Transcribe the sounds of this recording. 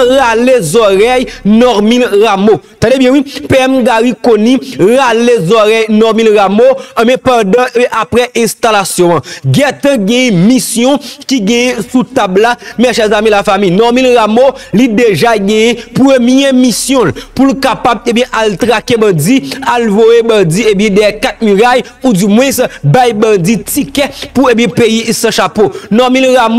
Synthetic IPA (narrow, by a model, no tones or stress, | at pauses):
ɣalezɔʁɛjnɔʁmĩlʁamot̪ãdebjɛ̃wĩpeɛmɡaɣikonĩʁalezɔʁɛjnɔmĩlɣamoɐ̃mɛ̃pɐ̃dãʔapʁɛʔɛ̃st̪alasjɔ̃ãɡɛ̃t̪ãɡɛ̃jɛ̃misjɔ̃kiɡɛ̃jɛ̃sut̪ablamɛʃɛzamĩlafamijnɔmilɣamolideʒaɡɛ̃jɛ̃puemijẽmisjɔ̃lpulkapabẽbjɛ̃ʔalt̪ʁakebɐ̃d͡zialvojebɐ̃d͡ziebjɛ̃dɛkat̪̚myʁajud͡zymwɛ̃sbajbɐ̃d͡zitikɛpuebjɛ̃pejisɐ̃ʃaponɔmilɣam